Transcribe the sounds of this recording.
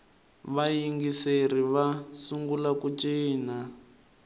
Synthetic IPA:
βajiŋɡiseriβasuŋɡulakut͡ʃiːna

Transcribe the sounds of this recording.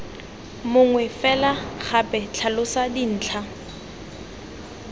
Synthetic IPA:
mʊŋwɛfɛlaχʰapʼɛt͡ɬʰalʊsadin̩ːt͡ɬʰa

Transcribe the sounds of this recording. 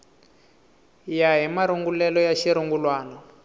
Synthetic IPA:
jaɦimaɾuŋɡulɛlɔjaʃiɾuŋɡulwaːnɔ

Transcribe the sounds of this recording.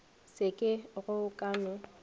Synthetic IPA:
sɪkʼɪɣʊkʼaːnʊ

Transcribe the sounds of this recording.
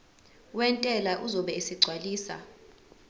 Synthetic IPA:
wɛntʼɛlaʔuzɔɓɛisiɡ͡ǀʱwaliːsa̰

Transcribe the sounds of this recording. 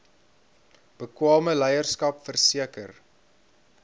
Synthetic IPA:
b̥əkwɑːməlɛjərskɐpfərsiəkər

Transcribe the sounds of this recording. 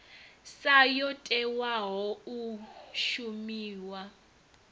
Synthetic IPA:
sajɔtʼɛwaɦɔuʃumiːwa

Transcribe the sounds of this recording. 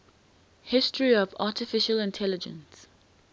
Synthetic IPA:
hɪstəɹiɔva̰ˑtɪfɪʃəlɪ̃ntʰɛlɪd͡ʒə̰̃ns

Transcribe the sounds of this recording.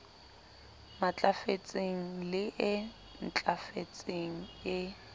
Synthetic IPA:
mat͡ɬʼafet͡sʼeŋ̩lɪʔɪ | n̩t͡ɬʼafet͡sʼeŋ̩ɪ

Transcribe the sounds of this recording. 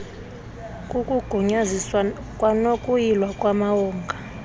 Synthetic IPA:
kʼukʼuɡ̥ʱuɲaziswa | kʼwanokʼujilwakʼwamawɔːŋɡʱa

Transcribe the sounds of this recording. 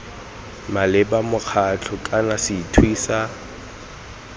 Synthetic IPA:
malɪbamʊk͡xʰat͡ɬʰʊkʼanasɪtʰwiːsa

